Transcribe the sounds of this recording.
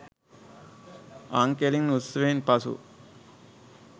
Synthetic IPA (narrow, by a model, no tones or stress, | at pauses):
aŋkeliŋusəʋenpasṵ